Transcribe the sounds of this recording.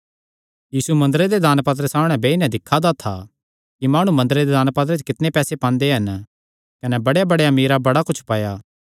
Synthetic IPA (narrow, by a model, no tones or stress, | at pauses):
jiːsumɐ̃nd̪əɾed̪ed̪aːnpɐt̪̬ɾəsaːmɽ̃ɛ̃beːinɛ̃d̪ɪkʰːad̪at̪ʰa | kimaːɽ̃umɐ̃nd̪əɾed̪ed̪aːnpɐt̪̬ɾət͡ʃkɪt̪nepɛːsepãːnd̪eɦɐn | kɐnɛbɐɽjabɐɽejamiːɾabɐɽakʊt͡ʃʰpɐːjaː